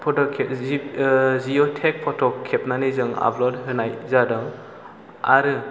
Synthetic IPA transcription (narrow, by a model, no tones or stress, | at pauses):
pʰɔtɔkʰe | ziɔtʰek̚pʰɔtʰɔkʰːepnanizɯŋa̰blɔdɦɯnajzadɔŋ | aɾɯ